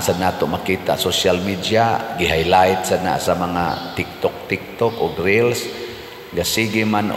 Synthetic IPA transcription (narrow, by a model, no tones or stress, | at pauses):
sanaːt̪omakiːt̪a̰ʔsoʃalmid̪jaɡɪɦajlaɪt̪̚sana̰ʔsamaŋa̰t̪ɪk̚t̪ok̚t̪ɪk̚t̪okʊɡɾɪls | ɡasiɡiman